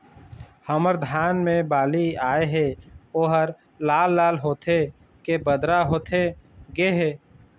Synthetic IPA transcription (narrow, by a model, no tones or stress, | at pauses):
həməɾd̪ʱaːnmẽbaːliaːeɦɛoɦəɾ | laːlːaːlɦoːt̪ʰe | kebəd̪ɾaɦoːt̪ʰeɡeɦɛː